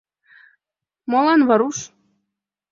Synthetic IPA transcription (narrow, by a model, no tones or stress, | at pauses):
molɑnβɤ̆ɾuʃ